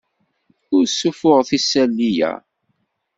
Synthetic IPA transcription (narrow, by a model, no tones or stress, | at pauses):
ʊɾsːufʊʁθisːælːijæ̰